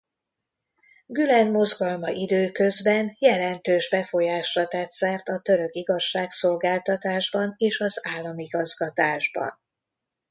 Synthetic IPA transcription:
ɡylɛnmo̞zɡɒlmɒʔid̪øːkø̞zbɛnjɛlɛnt̪øːʒbɛfo̞jaːʃrɒt̪ɛːt̪sɛrt̪ɒt̪ø̞ɾø̞kiɡɒʃːaːkso̞lɡaːlt̪ɒt̪aːʒbɒneːʃɒzaːlːɒmiɡɒzɡɒt̪aːʒbɒ̰n

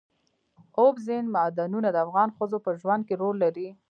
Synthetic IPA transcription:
obzɪnmad̪anunad̪əafɣɑnxəzopəʒwand̪̚keɾolːaɾi

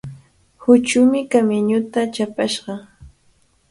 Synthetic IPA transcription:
hʊt͡ʃʊmɪkamɪɲʊt̪at͡ʃapaʃɢɑ

